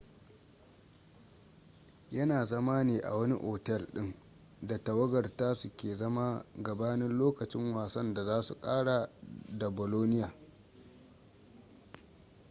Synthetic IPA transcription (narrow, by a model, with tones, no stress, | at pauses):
jɐ˦naː˨zɐ˦maː˦neː˨ʔa̰˨wɐ˦ni˦ʔɔː˨tɛ˦˨lɗɪ˦ŋ | da˨tɐ˨wɐ˦ɡɐ˨rtaː˦su˨kʲeː˨zɐ˦ma˦ɡɐ˨baː˦nɪ˦nloː˦kɐ˨t͡ʃɪ˦ŋwaː˨sɐ˦nda˨zaː˦su˨kʼaː˦ɽa˨da˨boː˨loː˦nɪ˦jaː˨